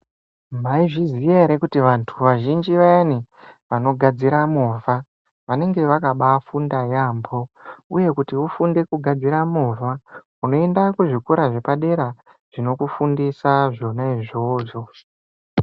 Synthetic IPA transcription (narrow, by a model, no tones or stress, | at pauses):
maiʐizieɾekutiʋantʰuʋaʒind͡ʒiʋaniʋano̞ɡʱad͡ziɾamuva | ʋane̞ŋɡe̞ʋakaɓafundajaːmbo̞uje̞kutiufunde̞kuɡʱad͡ziɾamuva | uno̞e̞ndakuʐikuɾaʐe̞paɗe̞ɾa | ʐ̥ino̞kufundisaʐo̞naiʐo̞ːʐo̞